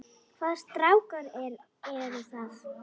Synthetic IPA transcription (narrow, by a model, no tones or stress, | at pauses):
kʰvaːðst̪ɾawkaɾɛɾ | ɛɾʏθað